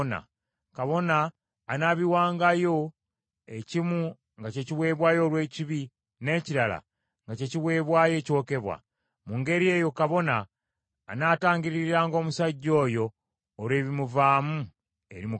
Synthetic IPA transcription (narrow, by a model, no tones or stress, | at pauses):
na̰ | kaβo̞naː | naβiwaːŋɡajo̞ | e̞cimu | ŋɡace̞ciβwe̞ːβwaːjo̞ːlwe̞ːciβi | ne̞ːciɾala̰ | ŋɡace̞ciβwe̞ːβwaːje̞ːco̞ke̞βwa̰ | muŋɡe̞ɾie̞ːjo̞kaβo̞naː | naːtaːɲɡiɾiɾaːŋɡo̞ːmusaɟːo̞ːjo̞ː | lwe̞ːβimuvaːmu | e̞̰ɾimu